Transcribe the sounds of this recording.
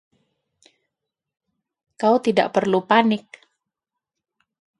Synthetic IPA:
kaut̪ida̰ʔpərlupanɪk̚

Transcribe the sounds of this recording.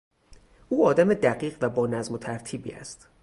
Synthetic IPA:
uːɒːd̪æmed̪æɢiːɢvæbɒːnæzmo̞t̪ʰæɾt̪ʰiːbḭːæ̰st̪

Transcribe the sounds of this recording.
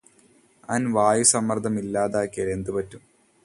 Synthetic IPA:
ɐnʋaːjusɐmːɐrd̪ʰʱɐmilːaːðaːkːelend̪ɨpɐtːum

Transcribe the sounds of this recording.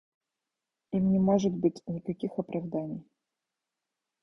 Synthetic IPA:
imnʲɪmoʐɨt̪bɨtʲnʲɪkɐkʲixɐpɾʔɐvd̪anʲɪj

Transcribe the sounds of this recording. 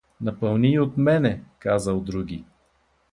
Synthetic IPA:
nɐpɐlˠniot̪mɛnɛkazəlˠd̪ɾuɡ̟ʲi

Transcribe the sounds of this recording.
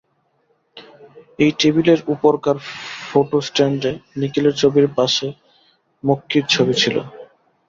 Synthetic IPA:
ejʈibileɾupoɾkaɾfoʈosʈeɳɖenikileɾt͡ɕʰobiɾpaʃe | mokʰːiɾt͡ɕʰobit͡ɕʰilo̰

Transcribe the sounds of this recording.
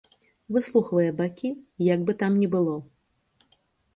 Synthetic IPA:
vɨslˠuxvɐjɛbakʲijaɡ̚bɨt̪amnʲɛbɨlˠɔ

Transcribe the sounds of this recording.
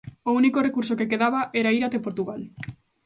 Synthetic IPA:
ounikorekuɾsokekeðaβaʔɛɾaiɾat̪epoɾt̪uɣal

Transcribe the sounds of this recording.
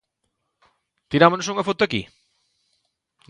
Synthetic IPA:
t̪iɾamonosuŋɐfot̪ʊakḭ

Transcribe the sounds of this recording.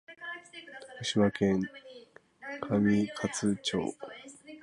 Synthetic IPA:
kaɕimakẽ̞ŋ | kʰamʲikʰat͡sɨt͡ɕo̰ː

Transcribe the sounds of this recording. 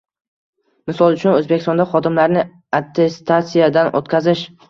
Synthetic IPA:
mɪsɒlˠʊt͡ʃʰʊnɵzbekʲɪst̪ɒnd̪aχɒd̪ɪmlaɾnɪ | at̪ʰːest̪ʰat̪sijad̪anʔo̰t̪kʲʰazɪʃ

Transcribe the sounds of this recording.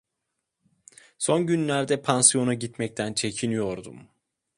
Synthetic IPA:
so̞nɟynlʲæɾd̪ɛpʰansijo̞naɟit̪mɛc̚t̪ʰænt͡ʃʰe̞cʰinijo̞ɾd̪ṵm

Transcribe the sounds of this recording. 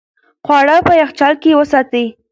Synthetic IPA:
xwɑɽapəjaxt͡ʃɑlkeewəsɑt̪əi

